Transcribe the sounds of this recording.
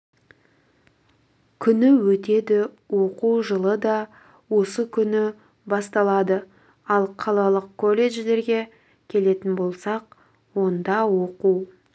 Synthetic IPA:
kʲʰʏnɪwɵt̪e̞d̪ɪ | wo̞quwʒəlˠəd̪ɑ | wo̞səkʲʰʏnɪ | bɑst̪ɑlˠɑd̪ə | ɑlˠqʰɑlˠɑlˠəqkʰːo̞lʲe̞ʒd̪e̞ɾɡʲe̞ | kʲʰe̞le̞t̪ɪnbo̞lˠsɑq̚ | wo̞nd̪ɑwoquw

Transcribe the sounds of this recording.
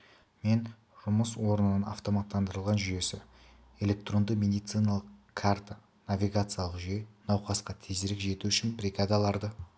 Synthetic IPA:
me̞n | ʒʊməswo̞ɾənənənɑ̰ft̪o̞mat̪ːɑnd̪əɾəlˠʁɑnʒʏje̞sɪ | e̞lʲe̞k̚t̪ro̞nd̪əme̞d̪ijt̪sɨjnalˠəqkʰːart̪a | navʲijɡat̪sɨjalˠəqʒʏjenɑwqɑsqɑt̪ʰezɪɾɪkʒe̞t̪uʏʃɪnbrʲiɡad̪ɑlˠɑɾd̪ə

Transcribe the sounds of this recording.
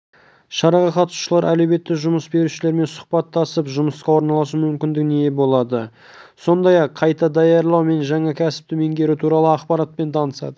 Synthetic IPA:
ʃɑɾɑʁɑqɑt̪su̥ʃəlˠɑɾʔælebe̞t̪ːɪʒʊməsbe̞ɾuʃɪleɾme̞nsʊ̥qpɑt̪ːɑsəpʒʊməsqɑwo̞ɾnɑlˠɑs̬əmʏmkʲɪnd̪ɪknejebo̞lˠɑd̪ə | so̞nd̪ɑjɑqʰːɑjt̪ɑd̪ɑjɑɾlˠɑwme̞nʒɑɴɑkʲʰæsɪ̥p̚t̪ɪmeŋɡʲe̞ɾɪt̪ʰuɾɑlˠəɑqpɑɾɑt̪̚pe̞nt̪ʰɑnəsɑ̰d̪ə

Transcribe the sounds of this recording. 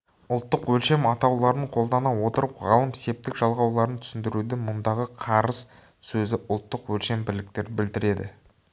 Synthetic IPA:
ʊlˠt̪ːəqwɵlʃe̞mɑt̪ɑwlˠɑɾəɴqʰo̞lˠd̪ɑnɑwo̞t̪əɾəpʁɑlˠəmse̞p̚t̪ɪkʒɑlˠʁɑwlˠɑɾənt̪ʰʏ̥sɪnd̪ɪɾud̪ɪmʊnd̪ɑʁəqʰɑɾəz̥ | sɵzɪʔʊlˠt̪ːəqwɵlʃe̞mbɪlɪk̚t̪e̞ɾbɪld̪ɪɾe̞d̪ɪ̰

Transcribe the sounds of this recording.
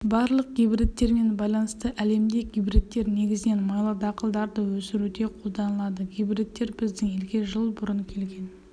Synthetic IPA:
bɑɾlˠəq̚ɡʲijbɾet̪ːe̞ɾme̞nbɑjlˠɑnəst̪əʔæle̞md̪eɡʲijbɾet̪ːe̞ɾne̞ɡʲɪzɪne̞nmɑjlˠɑd̪ɑqəlˠd̪ɑɾd̪əwɵsɪɾud̪e̞qʰo̞lˠd̪ɑnəlˠɑd̪əɡʲijbɾet̪ːe̞ɾbɪzd̪ɪŋelɡʲe̞ʒəlˠbʊɾəɴkʲʰe̞lɡʲe̞n

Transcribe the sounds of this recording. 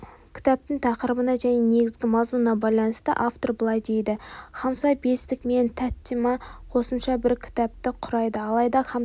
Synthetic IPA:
kʲʰɪ̥t̪ɑp̚t̪ɪɴt̪ʰɑqəɾəbənɑʒæne̞ne̞ɡʲɪzɡʲɪmɑzmunɑbɑjlˠɑnəst̪ə̰ʔaft̪o̞ɾbəlˠɑjd̪e̞jd̪ɪχɑmsɑjbe̞st̪ɪkme̞nt̪ʰæt̪ːimɑqʰo̞səmʃɑbɪɾkʲʰɪ̥t̪ɑp̚t̪ɪqʰʊɾɑjd̪əɑlˠɑjd̪ɑχɑ

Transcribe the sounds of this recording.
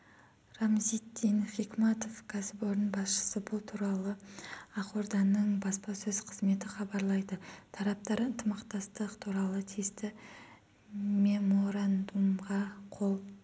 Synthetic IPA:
ramzit̪ːinfikmɑt̪o̞fkʰasboɾənbɑsʃə̥səbʊlˠt̪ʰuɾɑlˠəɑqoɾd̪ɑnːəɴbɑspɑsɵzqʰəzme̞t̪ɪχɑbɑɾlˠɑjd̪ət̪ʰɑɾɑp̚t̪ɑɾənt̪ʰəmɑqt̪ɑst̪əqt̪ʰuɾɑlˠət̪ʰest̪ɪ | mʲe̞mo̞ɾand̪umʁɑqʰolˠ

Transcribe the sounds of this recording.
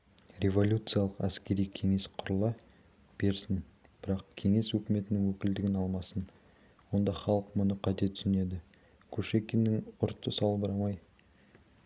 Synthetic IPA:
ɾʲe̞vo̞lʲut̪sɨjaɑlˠəqæskʲe̞ɾijkʲʰe̞ŋe̞sqʰʊɾəlˠɑ | b̥e̞ɾsɪn | b̥ɪɾɑqkʲʰe̞ŋe̞swɵkʲɪme̞t̪ɪnɪŋwɵkʲɪld̪ɪɡʲɪnɑlˠmɑsən | wo̞nd̪ɑχɑlˠəqmʊnəqʰɑt̪e̞t̪ʰʏ̥sɪne̞d̪ɪ | kʲʰɵʃekʲenːɪŋʊɾt̪ʰːəsɑlˠbɑɾɑmɑj

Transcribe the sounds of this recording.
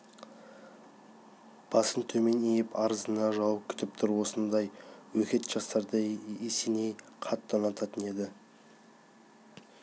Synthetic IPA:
b̥ɑsənt̪ʰɵme̞nejɪpʰɑɾəzənɑʒɑwəp̚kʲʰʏ̥t̪ɪp̚t̪ʰʊɾwo̞sənd̪ɑjwɵkʲe̞t̪ʒ̥ɑst̪ɑɾd̪əesene̞j | qʰɑt̪ːɑnɑt̪ɑt̪əne̞d̪ɪ

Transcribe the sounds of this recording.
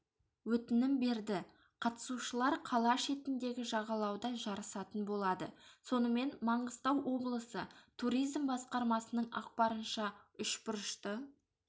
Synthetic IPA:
wɵt̪ɪnɪmbe̞ɾd̪ɪ | qʰɑt̪ə̥suʃəlˠɑɾqʰɑlˠɑʃe̞t̪ɪnd̪e̞ɡʲɪʒɑʁɑlˠɑwd̪ɑʒɑɾəsɑt̪ənbo̞lˠɑd̪ə̰so̞nəme̞nmɑɴəzt̪ɑwʔo̞blˠəsət̪ʰuɾijzmbɑsqɑɾmɑsənəɴɑ̰q̚pɑɾənʃɑʏʃbʊɾəʃt̪ə

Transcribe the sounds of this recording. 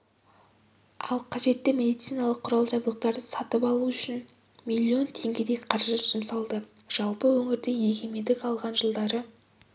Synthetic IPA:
ɑ̰lˠqʰɑʒe̞t̪ːɪmʲe̞d̪ijt̪sijnɑlˠəqʰːʊɾɑlˠʒɑbulˠəq̚t̪ɑɾd̪əsɑt̪əpɑlˠuʏʃɪn | mʲilʲːio̞nt̪ʰe̞ŋɡʲe̞d̪e̞jqʰɑɾʒəʒʏzɪmsɑlˠd̪ə | ʒ̥ɑlˠpəwɵŋɪɾd̪e̞je̞ɡʲʰe̞me̞d̪ɪkɑlˠʁɑnʒəlˠd̪ɑɾə

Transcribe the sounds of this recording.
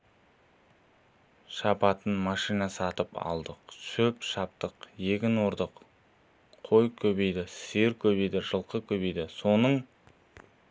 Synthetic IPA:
ʃɑpɑt̪ənmɑʃijnɑsɑt̪əpɑ̰lˠd̪əqʃɵpʃɑp̚t̪əqje̞kʲɪnoɾd̪əqʰ | o̞jkʲʰɵbe̞jd̪ɪseɾkʲʰɵbe̞jd̪ɪʒəlˠqəkʲʰɵbe̞jd̪ɪso̞nəɴ

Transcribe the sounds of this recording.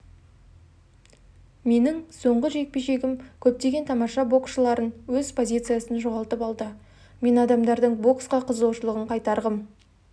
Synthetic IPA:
me̞nɪŋso̞ɴʁəʒe̞k̚pe̞ʃe̞ɡʲɪmkʲʰɵp̚t̪e̞ɡʲe̞nt̪ʰɑmɑʃɑbo̞ksʃəlˠɑɾənwɵzpʰo̞zʲijt̪sɨjasənʒo̞ʁɑlˠt̪əpɑlˠd̪ə | me̞nɑd̪ɑmd̪ɑɾd̪əɴbo̞ksqɑqʰəzlˠɑwʃəlˠəʁəɴqʰɑjt̪ɑɾʁəm

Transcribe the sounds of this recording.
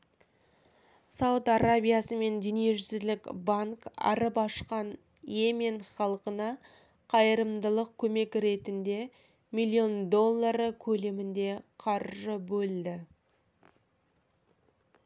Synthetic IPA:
sɑwʊt̪aɾabʲijasəme̞nd̪inijeʒʏsɪzlɪkbaŋkɑ̰ɾəpɑʃqɑn | jemeɴχɑlˠqənɑ | qʰɑjəɾəmd̪əlˠəq̚kʲʰɵme̞kɾe̞t̪ɪnd̪e̞ | mijlʲːio̞nd̪o̞lˠːaɾəkʲʰɵle̞mɪnd̪e̞qʰɑɾʒəbɵld̪ɪ

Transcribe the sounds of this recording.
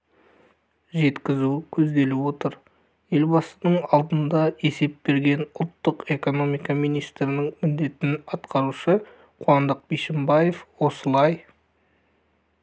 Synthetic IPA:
ʒe̞t̪kʲɪzukʲʰɵzd̪e̞lɪwo̞t̪əɾ | je̞lbɑsənəɴɑlˠd̪ənd̪ɑe̞se̞p̚be̞ɾɡʲe̞nʊlˠt̪ːəqe̞ko̞no̞mijkɑmijnijst̪ɾɪnɪŋmʏnd̪e̞t̪ɪnɑt̪qɑɾuʃə | qʰʊɑnd̪əq̚biʃɪmbajefwo̞səlˠɑj

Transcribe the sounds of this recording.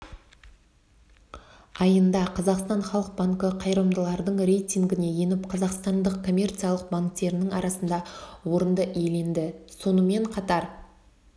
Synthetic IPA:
ɑjənd̪ɑqʰɑzɑqst̪ɑnχɑlˠəq̚baŋkəqʰɑjɾəmd̪əlˠɑɾd̪əɴɾʲe̞jt̪ʲiŋɡʲɪne̞je̞nɪpqʰɑzɑqst̪ɑnd̪əqkʰo̞mʲe̞rt̪sijalˠəq̚baŋk̚t̪e̞ɾɪnɪŋɑɾɑsənd̪ɑwo̞ɾənd̪əe̞le̞nd̪ɪso̞nəme̞ɴqʰɑt̪ɑɾ

